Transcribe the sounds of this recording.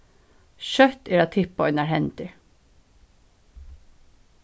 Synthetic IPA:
ʃœt̪eːɾɑːt̪ʰɪpɔʏnæːɹhɛnt̪ɪ

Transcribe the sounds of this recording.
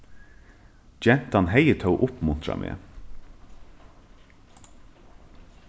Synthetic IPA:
d͡ʒɛnt̪ɑnheɪət̪ʰəʊʔʊpmʊnt̪ɾɑ̰mʔḛː

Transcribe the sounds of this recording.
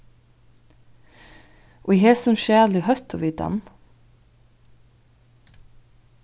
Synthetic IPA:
ʔoiheːsɔmʃæːlɪhœst̪ʰo̰ːʋiːt̪ɑ̰n

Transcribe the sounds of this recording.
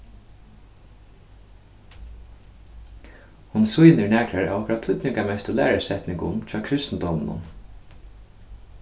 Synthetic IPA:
hʊnsujnɪɹnæːkɾaɹa̰ʋɔkʰʊɾat̪̚ʰːʊt̪nɪŋkamɛst̪ʊlæ̰ːɾasɛht̪nɪŋkʊ̰mtʰɾɑːkʰɾɪst̪n̩d̪ɔmnʊ̰n

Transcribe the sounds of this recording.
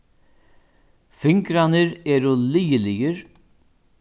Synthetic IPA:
fʏŋkɾanəɾɛːɾʊliːəlɪjəɾ

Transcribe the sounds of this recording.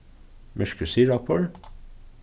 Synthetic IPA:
mœʃkəsiːɹɑpʰɔl

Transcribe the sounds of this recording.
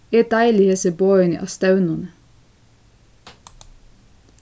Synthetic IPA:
et̪̚d̪æɪlɪheːsəboːənḭʔɑ̰st̪ɑʉnɑnə

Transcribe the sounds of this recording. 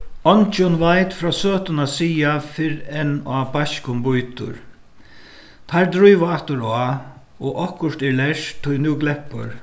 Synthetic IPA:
ɔnt͡ʃɔnʋajt̪fɾaːsøːt̪ʊnasiːafɪɾɛnaːbaʃkʊmbʊjt̪ʊ̰ɹ | t̪ʰaɾd̪ɾujʋaaht̪ʊɾɔa | ɔʔɔhkʊʂt̪ɛlɛʂt̪ʰːʊjnuːɡlɛhpʊ̰ɾ

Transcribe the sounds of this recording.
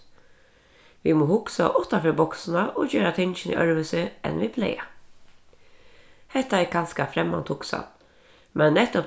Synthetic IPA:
ʋimoːhʊksa̰ʔʊt̪afœbɔksnaʔɔːd͡ʒøːɾat̪ʰɪnʃɪnḭʔœɹʋəsɪɛ̰nʋibʰlɛ̰ɪa | hɛt̪ːaɛkanskafɾɛmːa̰nt̪hʊksa̰n | mɛnːɛt̪ʊ

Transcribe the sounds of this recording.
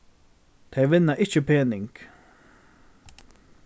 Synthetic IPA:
t̪ʰɛjʋɪnːaʔɪt͡ʃəpʰeːnɪŋk

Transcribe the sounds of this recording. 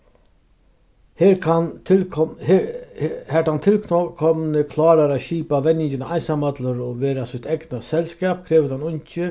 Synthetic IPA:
he | hɛʈhant̪ʰɪlkkʰɔmnəkʰlɑːɾaɾaɕiːpaʋɛnːɪɲt͡ʃɪnaʔajnsamat̪ləɾɔʋeːɾasʊt̪ɛɡnasɛlskɛːpkʰɾɛːʋəd̪hanʊɲt͡ʃə

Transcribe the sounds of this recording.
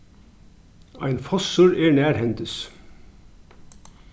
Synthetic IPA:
æ̰ɪnfɔsəɹæːɳæːɾhɛnt̪əs

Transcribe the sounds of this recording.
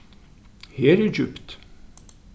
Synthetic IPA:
heːɾæd͡ʒʉpt̪

